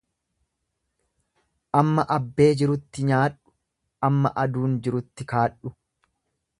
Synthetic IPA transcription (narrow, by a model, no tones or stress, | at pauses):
ʔɐmːɐʔɐbːe̞ːd͡ʒɪɾʊt̪ːɪɲaːᶑʊ̥ | ʔɐmːɐ̰ʔɐd̪uːnd͡ʒɪɾʊt̪ːɪkaːᶑʊ̥